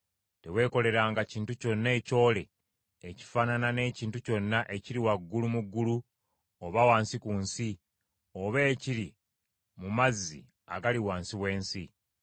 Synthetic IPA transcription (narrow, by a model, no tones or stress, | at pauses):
te̞we̞ːko̞le̞ɾaːŋɡaciːntuco̞nːe̞ːco̞ːle̞ː | ci̥fananane̞ːciːntuco̞nːaʔe̞ciɾiwaɡːulumuɡːulu | oβawaːnsikuːnsi | oβe̞ːciɾi | mumazːḭ | a̰ɡaliwaːnsiβwe̞ːnsi